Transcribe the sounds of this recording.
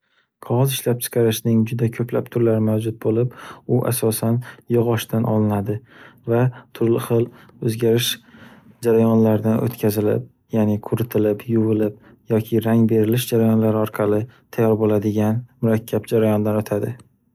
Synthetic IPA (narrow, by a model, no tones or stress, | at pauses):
qʰɒʁɒzɪʃlap̚t͡ʃʰɨ̥qʰɑɾɪʃnɪŋd͡ʒʊd̪akʲʰɵplapt̪ʰʊɾlaɾɪmawd͡ʒʊt̪̚bolɪpʊʔa̰sɒsanjɨʁɒʃt̪anʔɒlˠɪnad̪ɪvat̪ʰʊɾlɪχɨlˠ | ɵzɡʲaɾɪʃ | d͡ʒaɾajɒnlaɾɪd̪anʔo̰t̪kʲʰazɪlɪ̰p̚ | jaːnɪqʰʊɾɪt̪ʰɪlɪpjʊvɪlɪp̚ | jɒkʲʰɪɾaŋbe̞ɾɪlɪʃd͡ʒaɾajɒnlaɾɪɒɾqʰɑlɪt̪ʰajɒɾbolad̪ɪɡʲanmʊɾakʲʰːapd͡ʒaɾajɒnd̪anɵt̪ʰad̪ɪ